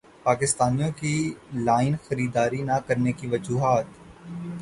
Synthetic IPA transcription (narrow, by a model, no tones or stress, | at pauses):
paːkɪst̪aːnijõkilaːɪnxəɾiːd̪aːɾinakəɾnekiʋəd͡ʒuːɦaːt̪